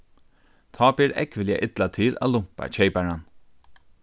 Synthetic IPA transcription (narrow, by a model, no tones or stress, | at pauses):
t̪ʰɔːpɪɾɛ̰kʋɪlja̰ʔɪt̪lat̪ʰɪlʔæ̰lʊm̥pa̰t͡ʃejpaɹan